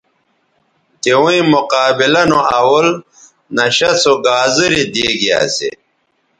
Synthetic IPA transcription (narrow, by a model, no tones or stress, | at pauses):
t̪iwuĩmuqaːbilɐnoawul | nɐɕɐsoɡaːzɨɾid̪eːɡia̰ːsḛ